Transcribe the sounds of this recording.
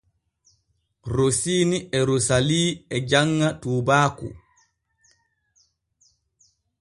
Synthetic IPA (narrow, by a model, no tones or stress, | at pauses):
ɾosiːniɛɾosaliːɛd͡ʒaŋːatuːbaːkṵ